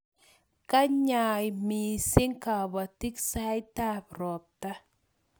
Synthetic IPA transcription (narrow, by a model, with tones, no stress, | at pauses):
ka˦ɲajmisɪ˦ŋka˨ba˨t̪i˦ksajt̪apɾɔ˨t̪ːa˦